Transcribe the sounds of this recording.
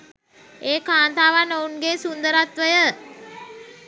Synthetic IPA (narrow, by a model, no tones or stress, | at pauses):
eːkaːnt̪aːʋanounɡesund̪əɾat̪ʋəjə